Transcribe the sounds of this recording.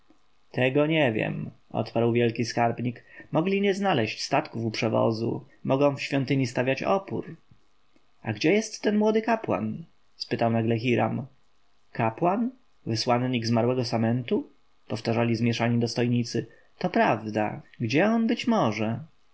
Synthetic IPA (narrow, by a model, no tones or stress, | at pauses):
t̪ɛɡɔɲɛvʲjɛ̰mɔ̰t̪paɾwvʲjɛlkʲiskaɾbɲikmɔɡlʲiɲɛznalɛɕt͡ɕst̪at̪kufupʂɛvɔ̰zṵ | mɔɡɔ̃w̃fɕfʲjɔnt̪ɘɲist̪avʲjat͡ɕɔ̰pṵɾ | aɡd͡ʑɛjɛst̪ːɛnmwɔd̪ɘkapwa̰n | spɘt̪awnaɡlɛxʲiɾa̰m | kapwan | vɘswanɲiɡzmaɾwɛɡɔsamɛnt̪u | pɔft̪aʐalʲizmʲjɛʂaɲid̪ɔst̪ɔjɲit̪sɘ | t̪ɔpɾavd̪a̰ɡd͡ʑɛɔnbɘt͡ɕmɔʐɛ